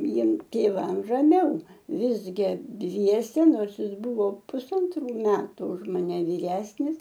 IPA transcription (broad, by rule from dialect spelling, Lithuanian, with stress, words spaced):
ˈjiɛm tʲeːˈʋɐm rɐˈmʲɛʊ ˈʋʲɪzʲɡʲɪ ˈdʲʋʲiɛsʲɛ ˈnoːrs ˈjɪs ˈbʊʋoː pʊsɐnˈtruː ˈmʲæːtʊ ʊʃ mɐˈnʲɛ ʋʲiːˈrʲæːsʲnʲɪs